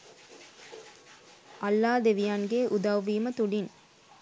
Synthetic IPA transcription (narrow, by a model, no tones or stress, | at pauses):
ɐlːaːd̪eʋijanɡeːʔud̪ɐʋʋːiːmət̪uɖin